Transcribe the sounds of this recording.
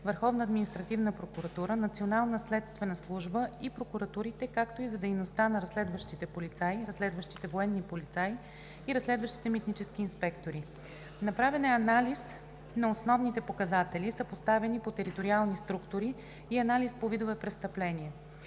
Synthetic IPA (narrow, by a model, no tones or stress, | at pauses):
vəɾxɔvnəːd̪minʲist̪ɾɐt̪ivnəpɾokuɾɐt̪uɾənɐt̪sionalˠnəslɛt̪st̪vɛnəslˠuʒbəipɾokuɾɐt̪uɾit̪ɛkakt̪oizɐd̪ɛjnost̪anɐɾɐslɛd̪vəʃt̪it̪ɛpolit̪sajɾɐslɛd̪vəʃt̪i̥t̪ɛvoɛnːipolit̪saj | iɾɐslɛd̪vəʃt̪i̥t̪ɛmit̪nit͡ʃɛsk̟iːnspɛkt̪oɾi | nɐpɾavɛnɛɐnalis | nɐosnɔvnit̪ɛpokɐzat̪ɛlʲisəpost̪avɛnipot̪ɛɾit̪oɾialˠnist̪ɾukt̪oɾiː | ɐnalispovid̪ovɛpɾɛst̪ɐplɛnʲiɛ